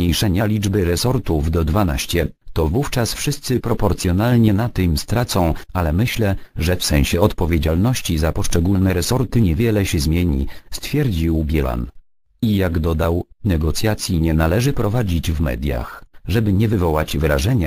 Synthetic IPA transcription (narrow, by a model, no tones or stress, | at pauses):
ɲejʂɛɲalʲid͡ʐbɘɾɛsɔɾt̪uvd̪ɔd̪vana̰ɕt͡ɕɛt̪ɔvuft͡ʂasfʂɘst̪sɘpɾɔpɔɾt̪sjɔnalɲɛnat̪ɘmst̪ɾat̪sɔ̃w̃alɛmɘɕlɛʐɛfsɛ̃w̃ɕɛɔt̪pɔvʲjed͡ʑalnɔɕt͡ɕizapɔʂt͡ʂɛɡulnɛɾɛsɔɾt̪ɘɲɛvʲjɛlɛɕɛzmʲjeɲḭst̪fʲjɛɾd͡ʑiwbʲjɛla̰n | ijaɡd̪ɔd̪awnɛɡɔt̪sʲjat̪sʲjiɲɛnalɛʐɘpɾɔvad͡ʑid͡ʑvmɛ̰d̪ʲja̰xʐɛbɘɲɛvɘvɔwad͡ʑvɾaʐɛɲa